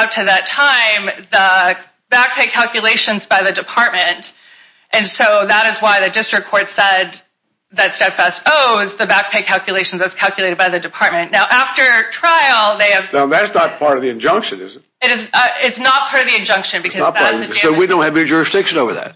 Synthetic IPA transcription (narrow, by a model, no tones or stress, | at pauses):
ʌp̚tʰɨðɨtʰãɪ̃mðə | b̥æk̚pʰeɪkʰælˠkjɨleɪʃɨ̃nzbaɪðɨdɨpʰɑɹt̚mɨ̃nt | ʔɨ̃nsoʊðəɾɨzwaɪðɨdɪstɹ̥ɨkʰːɔɹtsɛd̪̚ | ðɨtstɛd̥fæstoʊzðɨbæk̚pʰeɪkʰælˠkʰjɨleɪʃn̩zðɨtskʰælˠkjɨleɪɾɨd̚baɪðɨdɨpʰɑɹt̚mɨ̃nːaʊʔæftə˞tʰɹ̥aɪl̩ˠðeɪɨv̥naʊðætsnət̚pʰɑɹɾʌvðiɨ̃nd͡ʒʌ̃ŋkʃɨ̃nɪ̰zɨt̚ɨɾɨzʌɪtsnət̚pʰɑɹɾʌvðiɨ̃nd͡ʒʌ̃ŋkʃɨ̃nbɨkʰʌsɨdowidõʊ̃nt̚hɨvəd͡ʒʊɹɨsd̥ɪkʃɨ̃noʊvə˞ðæ̰t̚